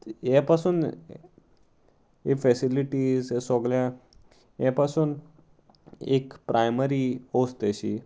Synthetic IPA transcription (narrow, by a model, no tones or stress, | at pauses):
japasuːn | efɛsiliʈiːzsɔɡlja | japasuːn | ḛkpɾʔajməɾiost̪aɕḭ